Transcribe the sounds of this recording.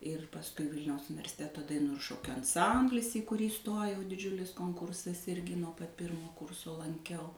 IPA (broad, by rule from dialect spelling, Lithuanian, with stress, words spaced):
ɪr pɐsˈkʊɪ ˈʋʲɪlʲnʲɛʊs ʊnʲɪʋʲɛrʲsʲɪˈtʲæːtoː dɐˈɪnuː ɪr ˈʃoːkʲʊ ɐnˈsɐmʲbʲlʲɪs iː kʊˈrʲiː ˈstoːjɛʊ dʲɪˈd͡ʒʲʊlʲɪs koːŋˈkʊrsɐs ˈɪrʲɡʲɪ nuɔ pɐt ˈpʲɪrmoː ˈkʊrsoː lˠɐŋʲˈkʲɛʊ